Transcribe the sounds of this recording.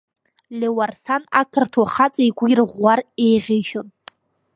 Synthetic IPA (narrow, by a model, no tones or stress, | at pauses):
lewarsanakʰɨrtʰwaχat͡sʼaiɡʷirʁʷːare̞jʁʲejʃon